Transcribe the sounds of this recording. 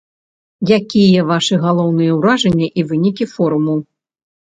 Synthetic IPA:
jakʲijɛvaʂɨɣalˠɔwnɨjɛwɾaʐɐnʲːɛʔivɨnʲikʲifɔɾumuw

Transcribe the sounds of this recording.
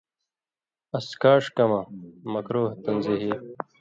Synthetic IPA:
ɐskaːʂkɐmɐmɐkɾoːht̪ɐnziɦi

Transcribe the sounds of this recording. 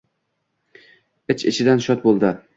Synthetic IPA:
ɪt͡ʃɪ̰t͡ʃʰɪd̪anʃɒt̪̚bolˠd̪ɪ

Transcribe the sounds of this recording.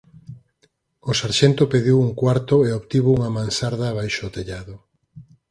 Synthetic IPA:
ʊsaɾʃent̪ʊpeðiwuŋkwaɾt̪ʊeoβt̪iβouŋɐmãnsaɾðɐːβajʃot̪eʎaðʊ

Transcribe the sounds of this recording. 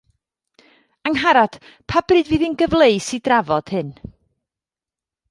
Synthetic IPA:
aŋɦaɾad̥ | pʰabrɨːdviːðinɡəvlˠeɨsidravɔd̥hɨn

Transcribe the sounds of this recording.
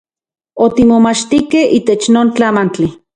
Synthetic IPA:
ot̪imomat͡ʃt̪ikehiːt̪et͡ʃnoːnt͡ɬamant͡ɬi

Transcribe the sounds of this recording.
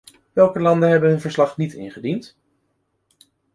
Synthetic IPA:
ʋɛlˠkəlɑndəɦɛbənɦɵnvəɹslɑχnitɪ̰nχədint

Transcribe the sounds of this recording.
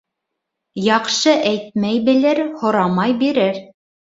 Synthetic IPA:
jɑqʃɤʔæjt̪̚mæjbɘ̆lɘɾhŏɾɑmɑjbiɾɘɾ

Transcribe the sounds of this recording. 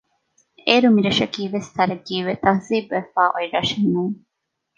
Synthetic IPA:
eːɾumiɾɐʃɐkiːʋest̪ʰɐɾɐɡiːʋet̪ɐhziːbʋefaːʔoiɾɐʃenuŋ

